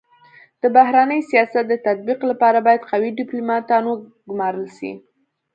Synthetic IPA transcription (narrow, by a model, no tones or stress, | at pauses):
d̪̥əbaɦɾanəjsijɑsat̪̚d̪ət̪at̪̚biqlapɑɾabɑjad̪qawiɖɪplumɑt̪ɑnwə | ɡmɑɾəlʃḭ